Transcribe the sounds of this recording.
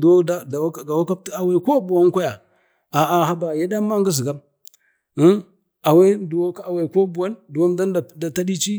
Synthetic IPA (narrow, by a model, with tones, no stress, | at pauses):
dwo˦da˦da˨˦˨ɡa˨wa˦ka˦ta˨we˦˨ko˦bu˨wa˦n˦kʷa˦ja˨ | a˨a˨ha˦ba˨ja˦da˦ma˦ŋɡi˦zi˨ɡa˦m̩˦ | a˨we˦du˨wa˦kːwe˨ko˦bu˨wa˦ndu˨wa˦mda˦nda˨da˨ta˦ɗi˦t͡ʃi˦